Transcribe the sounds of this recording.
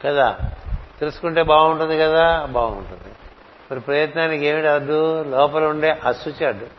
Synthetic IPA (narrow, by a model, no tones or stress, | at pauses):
kɐd̪aːt̪elusu̥kuɳʈe̞ːbaːuɳʈund̪ikɐd̪aːbaːṵɳʈund̪i | mɐɾipɾɐjɐt̪naːnike̞ːmiʈɐd̪ːulɔːpɐluɳɖeːʔɐsut͡ʃaːɖu